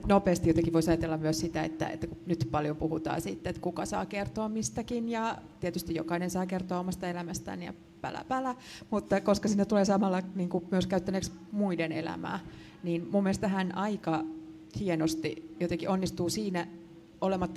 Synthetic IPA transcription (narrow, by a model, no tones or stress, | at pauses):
nopeːst̪ijot̪eŋkiʋoisɑjɑt̪elːɑmmyøssit̪æḛt̪ːæ̰ḛt̪ːækunyt̪pɑljompuhut̪ɑ̰ːsḭt̪ːeet̪kukɑsɑ̰ːkert̪oːmmist̪ækinjɑt̪iet̪yst̪ijokɑinensɑːkert̪oɑːomɑst̪ɑelæmæst̪æ̰ːniɑ̰ | pæ̰læ̰pælæmut̪ːɑkoskɑsinːet̪uleːsɑmɑlːɑniːŋkumyøskæyt̪ːæneksmuidenḛlæ̰mæ̰ː | niːnmumːelest̪æɦænʔɑikɑ | hienost̪ijot̪eŋkiʔonːist̪uːsiːnæ | olemɑt̪ːɑ